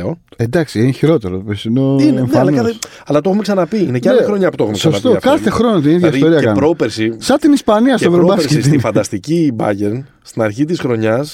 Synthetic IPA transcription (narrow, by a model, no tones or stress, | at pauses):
o | end̪ɐksiençiɾo̞t̪e̞ɾopesinoineɱfɐlɐnɐ | ɐlɐt̪oxumeksɐnɐpiineceɐlɐxɾoɲɐput̪oxumesoɐsɐt̪okɐθe̞xɾo̞not̪iniðʝɐist̪o̞ɾiɐkkɐnɾopeɾsisɐt̪inispɐniɐst̪ovɾobɐskesinfɐnɐst̪icibɐ̰ʝeɾn | st̪inɐɾçit̪isxɾo̞ɲɐs